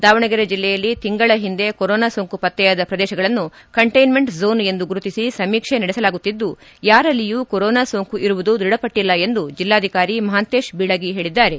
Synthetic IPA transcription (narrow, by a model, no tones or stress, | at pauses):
d̪aːʋɐɳɐɡɐɾɐd͡ʒilːɛjɐlːit̪iŋɡɐɭɐɦind̪e̞koɾɔːnaːsoːŋkupɐt̪ːɛjaːd̪ɐpɾɐd̪ɛːʃɐɡɐɭɐnːu | kɐɳʈɐjnme̞ɳʈzo̞ːne̞nd̪uɡuɾut̪isisɐmiːkʂenɐɽɛsɐlaːɡut̪ːid̪ːu | jaːɾɐlːijuːkoɾoːnaːsoːŋkuʔiɾuʋud̪ud̪ɾiɽɐpɐʈːilːɐe̞nd̪ud͡ʒilːaːd̪ʱikaːɾimɐɦaːnt̪eːʃbiɭɐɡiɦe̞ːɭid̪ːaːɾe̞